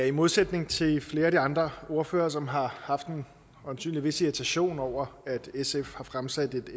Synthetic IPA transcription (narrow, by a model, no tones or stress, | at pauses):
æimo̝ð̞ˠsed̥ne̝ŋt͡sʰe̝fle̝ːɐædiɑ̈nd̥ʁɐo̝ɐfø̰ːɐːsɒ̽mɦɑ̈hɑ̈fd̥e̝n | ɒnsy̰ːnliʋe̝siet͡sʰæɕo̝̰ːnɒʊ̰ɐæd̥esefhɑ̈fʁamsæd̥e̝d̥